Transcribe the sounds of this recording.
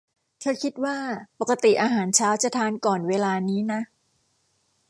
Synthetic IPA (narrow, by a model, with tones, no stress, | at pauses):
kʰa˦˥kʰi˦˥t̪̚waː˥˩pa˨˩ka˧t̪i˨˩ʔaː˧ɦaː˩˦nt͡ɕʰaː˦˥wt͡ɕa˨˩t̪ʰaː˧nkɔː˨˩nweː˧laː˧niː˦˥na˦˥